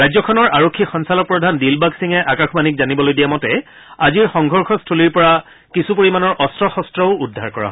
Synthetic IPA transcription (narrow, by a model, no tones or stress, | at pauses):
ɹajzɔkʰɔnɔɹʔaɹokʰːixɔnsalɔk̚pɹɔdʱandilbaɡsiŋɛʔakaxbanikzanibɔlojdijamɔtɛ | aziɹxɔŋɡʱɔɹxʰɔstʰoliɹpɔɹa | kisupoɹimanɔɹʔɔstɹɔxɔstɹɔʊudʱaɹkɔɹã̰